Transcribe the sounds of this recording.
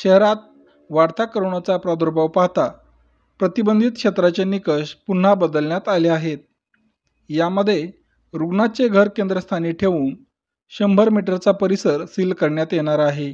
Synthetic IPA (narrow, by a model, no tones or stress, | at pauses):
ɕəɦɾat̪̚ | ʋaɾt̪ʰakəɾɳat͡sapɾad̪ʱuɾbaʋpaɦt̪a | pɾət̪ibənd̪ʱit̪̚kʂɕet̪ɾat͡ɕenikəɕpun̤ːabəd̪əlɳjat̪aleaɦet̪̚ | jaməd̪ʱːje | ɾuɡɳat͡seɡʱəɾkend̪ɾəst̪ʰaniːʈʰeʋuːn | ɕəmbʱəɾmiʈəɾt͡sapəɾisəɾsilkəɾɳjat̪jeɽ̃aɾaɦe